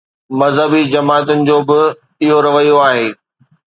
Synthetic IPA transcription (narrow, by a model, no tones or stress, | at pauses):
mɐzɦəbid͡ʑɐmaːt̪ʊnɪ̆d͡ʑoːbɪ | ɪɦoɾɐʋəjoaːɦeː